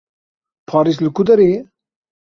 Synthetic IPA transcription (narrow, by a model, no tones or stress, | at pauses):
pʰɑːɾislɨkud̪ɐɾeː